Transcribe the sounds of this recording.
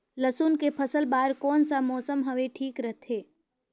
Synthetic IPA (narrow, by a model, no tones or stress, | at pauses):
ləsuːnkepʰəsəlbaːɾkɔːnsamɔːsəmɦɐʋeʈʰiːkɾəɦt̪ʰɦeː